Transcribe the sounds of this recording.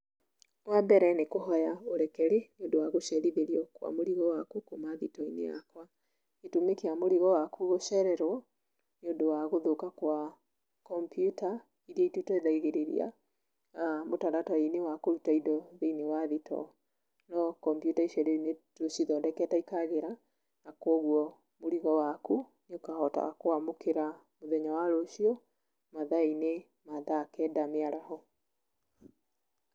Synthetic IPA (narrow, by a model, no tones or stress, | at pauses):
wabɛɾɛnekoɦɔjaoɾɛkɛɾeneondowaɣoʃɛɾiðeɾiɔkwa̰moɾiɣɔwakukomaðitɔinḛja̰kwa | etumekiamoɾiɣɔwakuɣoʃɛɾɛɾwɔ | neondowaɣoðokakwa | kɔmpjuta | iɾiaitutɔeðaiɣeɾeɾḭa̰ | motaɾatɔinewakoutaidɔðeinewaðitɔ̰ | nɔkɔmpjutaiʃɔɾenetoʃiðɔdɛkɛtaikaɣeɾa | nakwɔɣwɔ | moɾiɣɔwaku | ɲokahɔta̰akoamokeɾa | moðɛɲawaɾoʃiɔ | maðaine | maðaːkɛdameaɾahɔ